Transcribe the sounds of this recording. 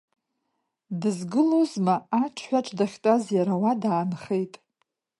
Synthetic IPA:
dɨzɡɨlozmaːt͡ʃʰħʷᶣaʈ͡ʂʷʼdaχʲtʼazjaɾawadaːnχe̞jtʼ

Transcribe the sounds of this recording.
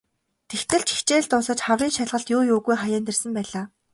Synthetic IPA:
t̪ʰext̪ɘ̆ɬt͡ɕi̥xt͡ɕeːɮt̪ʊsə̆t͡ɕχawriːnʃaɮʁə̆ɬt̪jʊːjʊːɣujχajaːnt̪ĕrsə̆mpæːɮaː

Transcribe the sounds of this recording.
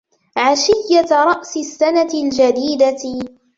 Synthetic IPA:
ʕaʃɪjːaɾˤɑʔsɪsːanat̪ɪld͡ʒad̪iːd̪a

